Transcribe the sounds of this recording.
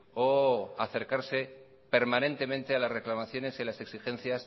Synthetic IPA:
oaθe̞ɾkaɾse̞ | pe̞ɾmanẽ̞nt̪e̞mẽ̞nt̪e̞alasre̞klamaθjo̞ne̞silase̞ksixẽ̞nθjas

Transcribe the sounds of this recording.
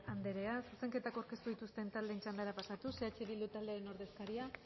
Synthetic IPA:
and̪e̞ɾe̞asuse̞ŋke̞t̪akawɾke̞st̪uðit̪ust̪e̞nt̪ald̪e̞ːnt͡ʃand̪aɾapasat̪use̞at͡ʃeβild̪ut̪ald̪eaɾeno̞ɾðe̞skaɾia

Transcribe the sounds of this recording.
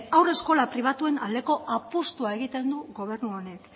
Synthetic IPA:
awre̞sko̞lapɾiβ̞at̪ue̞nald̪e̞ko̞ʔapust̪uae̞ɣ̞it̪e̞nd̪uɣo̞β̞e̞ɾnuone̞k

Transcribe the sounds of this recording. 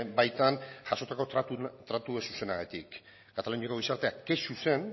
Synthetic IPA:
bajt̪anʝaso̞t̪ako̞t̪ɾat̪uesuse̞naɣat̪ikː | at̪alunioko̞ɣisaɾt̪e̞ake̞suse̞n

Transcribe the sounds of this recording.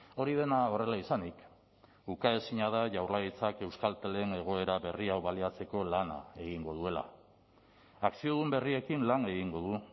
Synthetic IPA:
o̞ɾiðe̞nao̞re̞laisanik | ukae̞siɲað̞aʝawrlajit͡sake̞wskalt̪ele̞ne̞ɣ̞o̞e̞ɾaβe̞riawβaliat͡se̞ko̞lana̰e̞ɣiŋɡo̞ð̞ue̞la̰ | aksio̞ðumbe̞rie̞kinlane̞ɣiŋɡo̞ð̞u

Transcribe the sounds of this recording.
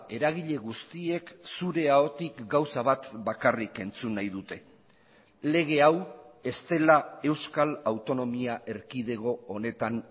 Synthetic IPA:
e̞ɾaɣ̞iʎe̞ɣ̞ust̪ie̞ksuɾe̞aot̪ikɡawsaβ̞at̪bakarike̞nt͡sunːajðut̪e̞ | le̞ɣ̞e̞awe̞st̪e̞lae̞wskalawt̪o̞no̞miaʔe̞ɾkiðe̞ɣo̞ːne̞t̪an

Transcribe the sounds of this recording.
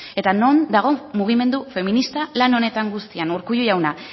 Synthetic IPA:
e̞t̪ano̞nd̪aɣ̞o̞muɣ̞ime̞nd̪ufe̞minist̪alano̞ne̞t̪aŋɡust̪ianuɾkujujawna

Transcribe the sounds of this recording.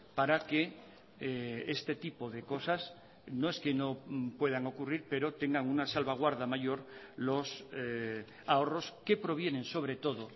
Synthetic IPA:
paɾake | est̪e̞t̪ipoðeko̞sas | noe̞skeno̞pwe̞ðaŋo̞kuriɾpe̞ɾo̞t̪e̞ŋɡaŋunasalβaɣ̞waɾðamajo̞ɾlo̞s | ao̞ro̞ske̞pɾo̞β̞je̞nẽ̞nso̞β̞ɾet̪o̞ðo

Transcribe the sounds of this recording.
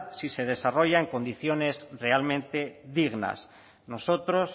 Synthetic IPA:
sise̞ð̞e̞saro̞ʝaeŋko̞nd̪iθjo̞ne̞zre̞almẽnt̪e̞ðiɣna̰s | no̞so̞t̪ɾo̞s

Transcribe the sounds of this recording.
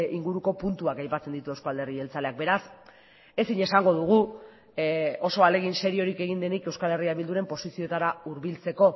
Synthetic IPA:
iŋɡuɾuko̞punt̪uakajpat͡send̪it̪uewskoald̪erie̞lt͡sale̞ak̚be̞ɾas | e̞siɲe̞saŋɡo̞ð̞uɣ̞u | o̞so̞ale̞ɣ̞inse̞ɾio̞ɾike̞ɣ̞ind̪e̞nike̞wskale̞riaβild̪uɾe̞mpo̞sisio̞et̪aɾauɾβilt͡se̞ko̞

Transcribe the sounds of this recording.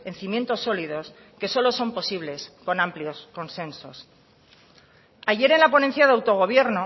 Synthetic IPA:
e̞n̟θimje̞nt̪o̞sːo̞liðo̞s | ke̞so̞loso̞mpo̞siβle̞sko̞nampljo̞sko̞nsẽ̞nso̞s | aʝe̞ɾe̞nlapo̞nen̟θjaðeawt̪o̞ɣ̞o̞β̞je̞ɾno

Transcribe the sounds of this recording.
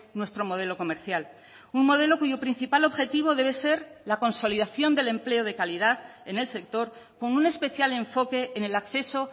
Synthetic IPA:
nwe̞st̪ɾo̞mo̞ð̞e̞lo̞ko̞meɾθjal | unmo̞ð̞e̞lo̞kuʝopɾin̟θipalo̞βxet̪iβ̞o̞ð̞e̞β̞e̞se̞ɾlako̞nso̞liðaθjo̞nd̪e̞le̞mple̞oð̞e̞kaliðaθe̞ne̞lse̞k̚t̪o̞ɾ | ko̞nune̞spe̞θjale̞ɱfo̞ke̞ʔːne̞lakθe̞so̞

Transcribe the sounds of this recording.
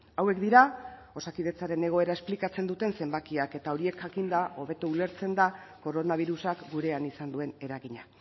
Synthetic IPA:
awe̞kd̪iɾa | o̞sakiðe̞t͡saɾe̞ne̞ɣ̞o̞e̞ɾaesplikat͡se̞nd̪ut̪e̞nse̞mbakiake̞t̪ao̞ɾie̞kʝakind̪aʔo̞βe̞t̪uule̞ɾt͡se̞nd̪ako̞ɾo̞naβ̞iɾusakɡuɾe̞anisand̪ue̞ne̞ɾaɣiɲa

